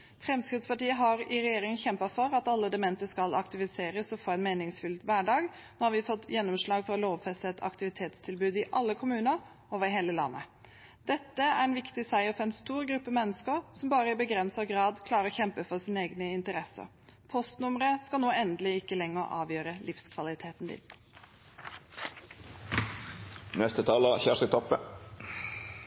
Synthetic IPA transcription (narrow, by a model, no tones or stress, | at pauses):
fɾɛmskɾɪt̪spʰɑʈiːəɦɑɾɪɾɛjeːɾɪŋəçɛmpɑfɔɾɑt̪ɑlːəd̪ɛmɛnt̪əskɑlɑ̰kt̪ɪʋɪseːɾəsɔfoːæɪnmeːnɪŋsfʉlʋæɖɑːɡ | noːhɑɾʋɪfɔt̪ːjɛnːɔmʂlɑːɡfɔɾɑloːʋfɛst̪ət̪ʰɑ̰kt̪ɪʋɪt̪ʰeːt̪st̪ʰɪlbʉːd̪ɪʔɑlːəkʰʊmʉːnəɾ | oːʋəɾɦeːləlɑ̰nːʔə̰ | d̪̥ɛt̪ːəæɾɛnʋɪkt̪ɪsæɪəfɔɾɛɪnst̪uːɾɡɾʉpːəmɛnːəskəɾsɔmbɑːɾəɪbəɡɾɛnsəɡɾɑːd̪kʰlɑːɾəɔçɛmpəfɔsiːnəeːɡnəɪnt̪əɾɛsə̰ɾ | pʰɔst̪nʊməɾəskɑlnoːɛnd̪əlɪɪkːəlɛŋːəɾʔɑ̰ːʋjøːɾəlʔɪfskʰʋɑlɪt̪ʰeːt̪nd̪ɪ̰ | nɛst̪ət̪ʰɑːləçæʂɪt̪ʰɔpːə̰